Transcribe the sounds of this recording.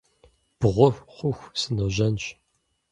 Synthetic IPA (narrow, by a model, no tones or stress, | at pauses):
b̥ʁʷʊχʷʊxʷsɨnɨʒɐnɕ